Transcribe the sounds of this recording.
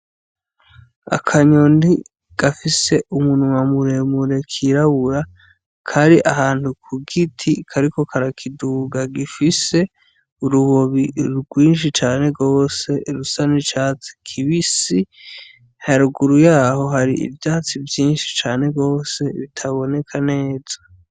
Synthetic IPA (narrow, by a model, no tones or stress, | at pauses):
a̰kʰaɲondi | ɡ̥afise̞ʔumunuŋamuɾe̞muɾe̞kʰiɾaβuɾa | kʰaɾiʔahaːnthukʰuɡitʰikʰaɾiko̞kʰaɾakʰiduɡaɡifise̞ | uɾuβo̞βiɾɡwiːnʃ̬it͡ʃaːne̞ɡo̞ːse̞ɾusanit͡ʃat͡si̥kʰiβisi | haɾuɡuɾujaːho̞ɦaɾḭḭvjaːt͡sivjiːnʃi̥t͡ʃaːne̞ɡo̞ːse̞βitʰaβo̞ne̞kʰane̞ːzḁ